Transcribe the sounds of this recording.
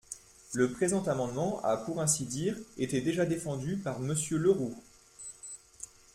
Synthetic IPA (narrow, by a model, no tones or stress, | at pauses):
ləpχezɑ̃t̪amɑ̃d̪mɑ̃ʔa̰puʁɛ̃sid̪iʁet̪ed̪eʒad̪efɑ̃d̪ypaʁməsjøləʁo